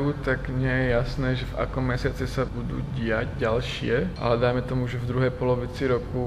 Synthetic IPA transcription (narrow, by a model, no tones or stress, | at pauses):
ut̪aɡɲɪɛjɛjasnɛːʒɛva̰kɔmːɛsɪat͡sɛsabud̪ṵːɟiaɟɟalʃɪɛʔa̰lɛd̪ajmɛt̪ɔmuʒɛvd̪ɾuɦɛjpɔlɔʋit͡siɾɔku